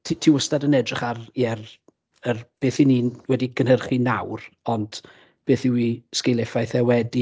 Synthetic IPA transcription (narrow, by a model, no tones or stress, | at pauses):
tʰitʰiːwəstadənɛdrɪχariɛr | ərb̥eːθiniːwɛdiɡənhərχinawrɔnd̥ | b̥eːθɪwiːskelˠɛfajθɛwɛdi